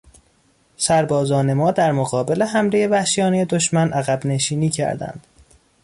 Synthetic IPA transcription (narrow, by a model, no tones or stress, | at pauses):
sæɾbɒːzɒːne̞mɒːd̪æɾmoɣɒːbe̞le̞ɦæmɾeje̞væhʃijɒːnejed̪o̞ʃmænʔæɣæbne̞ʃiːniːcʰæ̰ɾd̪æ̰nd̪̥